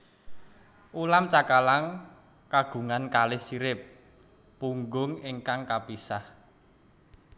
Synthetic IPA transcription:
ʔulamt͡ʃakalaŋ | kaɡ̥ṳŋankalɪhsiɾɪp̚ː | uŋɡʊŋɪŋkaŋkapisah

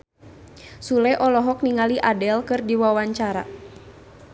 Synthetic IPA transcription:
sulɛʔɔlɔɦɔk̚niŋaliʔadɛlkɨrdiwawaɲt͡ʃaɾa̰

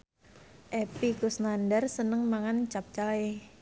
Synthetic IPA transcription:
ʔɛpikusnandərsənəŋmaŋant͡ʃap̚t͡ʃae

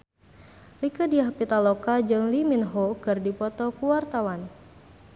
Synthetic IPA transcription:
rikədiahpit̪alokad͡ʒɨŋliminɦɔkɨrdipɔt̪ɔkuwart̪awan

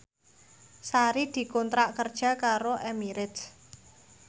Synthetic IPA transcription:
saɾid̪̥i̤kont̪ɾaʔkərd̥ʒ̥a̤kaɾoʔɛmiɾɪt̪s

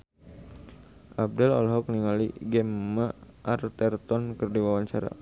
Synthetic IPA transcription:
ʔab̚dɛlɔ̰lɦɔk̚niŋaliɡɛmːaʔːrt̪ɛrt̪ɔnkərdiwawaɲt͡ʃaɾa̰

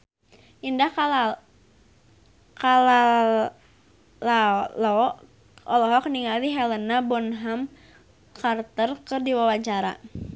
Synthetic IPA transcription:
ʔindah | kala | lalɔ | ɔlɔɦɔkniŋaliɦɛlənabɔnɦam | kart̪ərkərdiwawat͡ʃaɾa̰

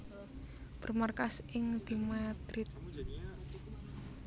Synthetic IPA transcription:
b̥ə̤rmarkasʔɪŋd̪̥imad̪ɾɪt̪̚

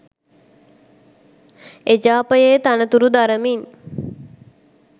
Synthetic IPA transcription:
ed͡ʒaːpəjejt̪anət̪uɾud̪aɾəmin

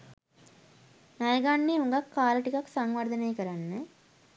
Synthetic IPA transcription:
nɐjɐɡaɳːiɦuŋɡɐkːaːlɐʈikɐksaŋʋɐɾd̪ɐnejkɐɾanːə

